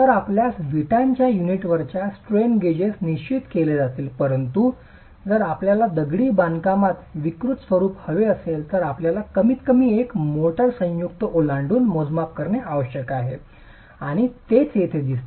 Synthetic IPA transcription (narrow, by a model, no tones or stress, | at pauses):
t̪əɾapljasʋiʈaɲt͡ɕjajuniʈʋəɾt͡ɕjasʈɾenɡed͡ʑesniɕt͡ɕit̪keled͡zat̪iːlpəɾənt̪u | d͡zəɾapljalad̪əɡɽiːbankamat̪ʋikɾut̪sʋəɾuːphəʋeəselt̪əɾapljalakəmiːt̪kəmiːekmoʈəɾsə̃jukt̪əʔolaɳɖuːnmod͡zmap̚kəɾɳeaʋəɕəkaɦe | aɽ̃it̪et͡sjet̪ʰed̪ist̪e